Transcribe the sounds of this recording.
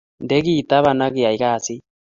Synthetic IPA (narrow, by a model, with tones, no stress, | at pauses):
ndɛ˦ɣi˦˨t̪a˦βa˨na˦ɣi˨a˨i˨ɣa˦˨si˦